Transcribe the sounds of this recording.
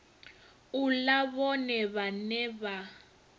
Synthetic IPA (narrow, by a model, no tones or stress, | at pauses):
ulaβɔnɛβanɛβa